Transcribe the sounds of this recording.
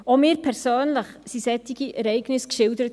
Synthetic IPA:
omɪːɾpʰɛɾsøːnləχsisɛtɪɡiɛɾɛɪɡnɪskʃɪldəɾət

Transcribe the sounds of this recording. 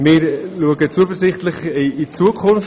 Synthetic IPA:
mɪːɾluəɡət͡suəfəɾzɪχtlɪχiit͡suːkʰʊnf

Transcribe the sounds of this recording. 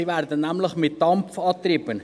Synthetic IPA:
ivæːɾdənnæmləχmɪt̚d̥ɑmfɑːt̪riːbən

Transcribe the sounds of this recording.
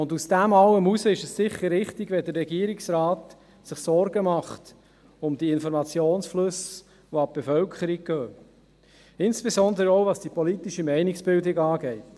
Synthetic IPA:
ʊndusd̥æmɑlːəmusəɪʃəssɪχːəɾːɪχtɪɡʋɛdəɾːɛɡiːɾɪksɾɑːt | sɪχsɔɾɡəmɑχt | ʊmdiɪnfɔɾmɑt͡sjoːnsflɵs | ʋoɑb̚b̥efœlkʰχəɾik̚køː | ɪnsb̥ezɔnd̪əɾəoʊvɑsd̥ipɔlitɪʃəmɛɪnɪksb̥ɪldɪɡɑːɡɛɪt

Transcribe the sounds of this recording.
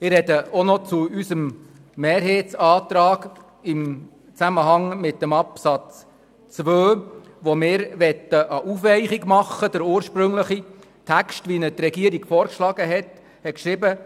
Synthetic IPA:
ɪrhɛdəɔnɔt͡suysəmː | eːɾɦeːtt͡sɑːt̪ɾɑːɡ | ɪm | t͡sæməɦɑŋmɪtːəmɑpsɑt͡s | t͡sʋøː | ʋomɪːɾʋɛt̪ːəʔəʔufʋɛɪχiɡmɑχːəd̥əɾuːəɾʃpɾɵŋləχi | tʰækstʋinət̪rɛɡiəɾiɡ̥fɔːɾkʃlɑɡ̥əɦɛt | hɛt̚kʃɾɪbə

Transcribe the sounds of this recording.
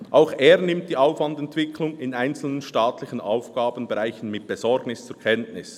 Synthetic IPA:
ʔaʊxeːɾnɪmt̚d̥iːaʊfv̥ɑndɛntv̥ɪkʰlʊŋɪnaɪnt͡sl̩nənʃtaːtlɪçənʔa̰ʊfɡ̥aːbən̩bɛʁaɪçən̩mɪt̚b̥ezɔɾɡnɪst͡suɾkʰɛntnɪs

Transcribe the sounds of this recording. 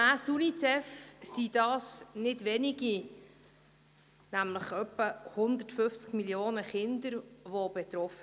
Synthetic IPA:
asunit͡sɛfsid̥ɑːsnɪdʋɛniɡ̥i | næmləχœpːəhʊnd̪ərtfʏft͡skmiljoːnəχɪnd̪əɾʋobɛt̪ɾɔfə

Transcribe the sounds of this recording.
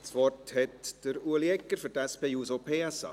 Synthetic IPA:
sʋɔrthɛtd̥əɾuəliɛkːəɾfʏɾtɛspeːjuːsopʰeːɛsɑ̰

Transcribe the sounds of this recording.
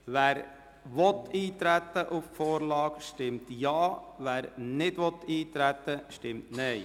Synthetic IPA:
ʋæːɾ | ʋɔt̪iːt̪ɾæt̪ːəʔʊffoːɾlɑːkʃtɪmt̪jɑːʋæːɾnɪdʋɔt̪iːt̪ɾæt̪ːəʃtɪmtnɛɪ

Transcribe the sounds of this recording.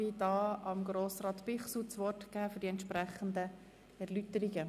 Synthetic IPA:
idɑːɑmɡɾoːsrɑːt̪pɪχsut͡sʋɔrtkæːfʏɾdiɛnt̪ʃpɾɛχənd̪ə | ɛɾlyt̪əɾɪɡə

